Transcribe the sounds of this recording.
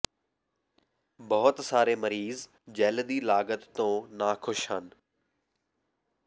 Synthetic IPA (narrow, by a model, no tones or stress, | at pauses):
bɐɦʊt̪saːɾemɐɾiːz | d͡ʑɛːld̪iːlaːɡət̪ːõːnaːxʰʊʃɦənɪ̆